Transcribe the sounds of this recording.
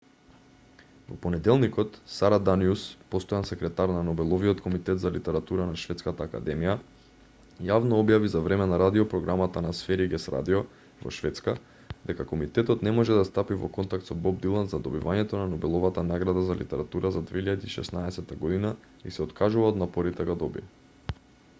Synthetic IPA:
vɔpɔnɛd̪ɛlˠnikɔt̪saɾad̪aniuspɔst̪ɔjansɛkɾɛt̪aɾnanɔbɛlˠɔviɔt̪kɔmit̪ɛt̪zalit̪ɛɾat̪uɾanaʃvɛt̪skat̪aːka̰d̪ɛmija | javnɔɔbjavizavɾɛmɛnaɾad̪iɔpɾɔɡɾamat̪anasfɛɾiɡʲɛsɾa̰d̪iɔ | vɔ̰ʃfɛt̪ska | d̪̥ɛkakɔmit̪ɛt̪ɔt̪nɛmɔʒɛd̪ast̪apivɔ̰kɔnt̪akt̪sɔbɔb̚d̪ilˠanzad̪ɔbivaɲɛt̪ɔnanɔbɛlˠɔvat̪anaɡɾad̪azalḭt̪ɛɾat̪uɾazad̪veiʎad̪iːʃɛ̰snaɛsɛt̪aɡɔd̪ina | isɛɔt̪kaʒuvaɔd̪napɔɾit̪ɛɡad̪ɔbḭɛ

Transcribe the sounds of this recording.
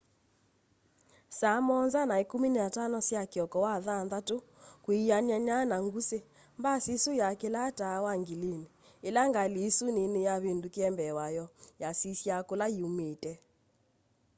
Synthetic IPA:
samɔnzanaekominatanɔsjakeɔkɔwaðanðato | kwiaɲaɲanaŋɡuse | mbasisojakelatawaŋɡilene | elaŋɡalesunenejaβendokeɛmbɛwajɔjasisjakolaiumetɛ

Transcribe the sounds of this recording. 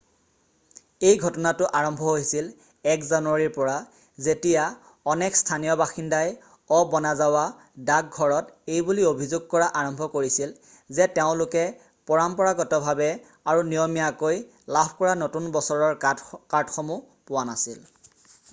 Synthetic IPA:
ejɡʱɔtɔnatʊʔaɹɔmbʱɔɦojsil | ɛkzanʊwaɹiɹpɔɹa | zetija | ɔnɛkstʰanijɔbaxindaj | ɔbɔnazawa | dak̚ɡʱɔɹɔtejbuliobʱizuɡ̚kɔɹaʔaɹɔmbʱɔkoɹisil | zɛteʊ̃lʊkɛ | pɔɹampɔɹaɡɔtɔbʱabɛ | aɹunijɔmijakoj | labʱkɔɹanotunbɔsɔɹɔɹkadxɔmu | pʊwanasil

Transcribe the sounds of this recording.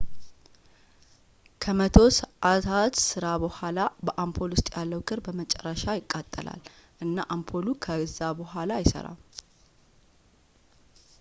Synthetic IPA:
kʰəmət̪ʰo̞səʔat̪ʰat̪sɨɾabəhʷalabəʔampʰo̞lʊst̪ʼjalːəwkʰɨɾbəmət͡ʃʼɛrːəʃajɪkʼːat̪ʼːəlʔa̰l | ʔɨnːaʔampʰo̞lukʰəzːabəhʷalajɪsə̰ɾa̰

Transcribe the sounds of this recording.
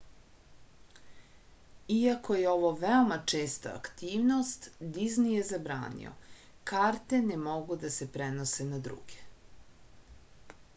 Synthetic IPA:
iakʰo̞jeo̞ʋoʋeomat͡ʂeːst̪a̰ːkt̪iːʋnost̪d̪iznijezabɾa̰ːnḭo̰ | kaːɾt̪e̞nemo̞ɡud̪asepɾenosenad̪ɾṵːɡe

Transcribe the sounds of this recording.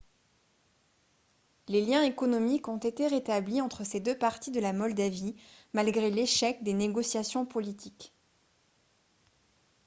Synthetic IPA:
leljɛ̃ekɔnɔmikɔ̃t̪et̪eʁet̪abliɑ̃t̪χəsed̪øpaʁt̪id̪əlamɔld̪avimalɡʁeleʃɛk̚d̪eneɡɔsjasjɔ̃pɔlit̪ʰik

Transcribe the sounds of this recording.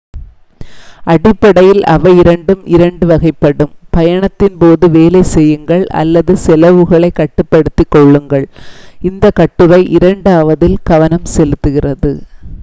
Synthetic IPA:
ʔɐɽɪpːɐɽɐjɪlɐ̰ʋɐɪɾɐɳɖɯmʔɪɾɐɳɖɯʋɐɣɐɪpːɐɽɯmpɐjɐɳɐt̪ːɪnpoːðɯʋeːlɐɪsɛjːɯŋɡɐɭɐ̰lːɐðɯsɛlɐʋɯɣɐɭɐɪkːɐʈːɯpːɐɽɯt̪ːɪkːɔɭːɯŋɡɐɭɪnd̪ɐkɐʈːɯʋɐɪʔɪɾɐɳɖaːʋɐðɪlɡɐʋɐnɐmsɛlɯt̪ːɯɣɪrɐðɯ

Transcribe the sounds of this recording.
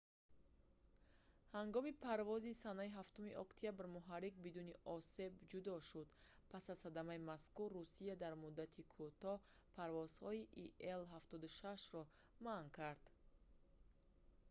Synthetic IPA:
haŋɡɔmipʰaɾvɔzisanaiɦaft̪umiʔɔkt̪ʰijabɾmuɦaɾik̚bid̪uniʔɔse̞bd͡ʒud̪ɔʃud̪pʰasazxad̪amaimaskurːusiad̪aɾmud̪ːat̪ʰikʰut̪ɔ | pʰaɾvɔz̥hɔiʔielɦaft̪ɔd̪uʃaʃɾɔ | mankʰaɾd̪̥

